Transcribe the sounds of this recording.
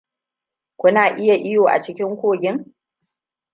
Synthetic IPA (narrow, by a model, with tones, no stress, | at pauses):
kʷʊ˦naː˨ʔɪ˦ja˨ʔɪ˦joː˨ʔa̰˨t͡ʃɪ˦kʲɪ˦ŋkʷoː˦˨ɡʲɪ˦ŋ